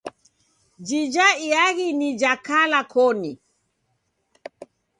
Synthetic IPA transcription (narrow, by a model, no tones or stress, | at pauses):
d͡ʒid͡ʒaiaɣinid͡ʒakalakʰɔni